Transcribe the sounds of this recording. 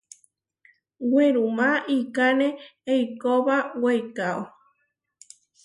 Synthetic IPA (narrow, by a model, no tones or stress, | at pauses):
weɾumãʔikanẽejkoβawejkao